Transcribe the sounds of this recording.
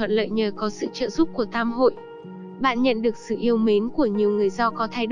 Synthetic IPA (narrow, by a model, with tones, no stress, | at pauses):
ə̰˧˨nlə̰ː˧˨jɲəː˨˩kɔ˨˦sɨ̰˧˨t͡ɕə̰ː˧˨zu˦˥p̚ku˧˩ət̪ʰaː˧mho̰˧˨j | ɓa̰ː˧˨nɲə̰˧˨nɗɨ˨˩ək̚sɨ̰˧˨ʔi˧əwme˨˦nku˧˩əɲi˨˩əwŋɨ˨˩əjzɔ˧kɔ˨˦t̪ʰaː˧jɗ